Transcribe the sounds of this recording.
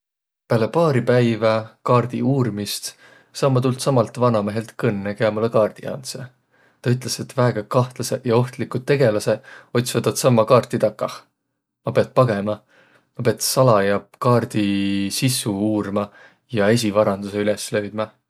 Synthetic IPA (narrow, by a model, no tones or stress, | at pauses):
pæːlepɑːɾipæjvɑkɑːrd̪̥ḭuːrmist̪ | sɑːmːɑt̪ult̪sɑmɑlt̪ˑvɑnɑme̞ɦe̞lt̪kɤnːekeɑmulekɑːrd̪̥ḭɑ̰nse | t̪ɑyt̪ˑle̞se̞t̪ːvæeɡ̥ɑkɑht̪lɑse̞jɑo̞ht̪likud̪̚t̪ːe̞ɡe̞lɑse̞o̞t̪ʲsvɑt̪ɑt̪sɑmːɑkɑːrt̪ːit̪ɑkːɑ | mɑpeɑt̪̚pɑɡ̥e̞mɑ | mɑpeɑt̪sɑlɑjɑpkɑːrd̪̥isisˑuuːrmɑ | jɑe̞s̬ʲivɑɾɑnd̪use̞yleslø̞ɥd̪̥mɑ